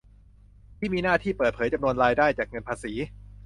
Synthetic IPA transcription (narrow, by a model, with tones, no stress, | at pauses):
t̪ʰiː˥˩miː˧naː˥˩t̪ʰiː˥˩pəɤː˨˩t̪̚pʰɤː˩˦jt͡ɕa˧mnu˧ənɾaː˧jdaː˥˩jt͡ɕaː˨˩k̚ŋɤ˧npʰaː˧siː˩˦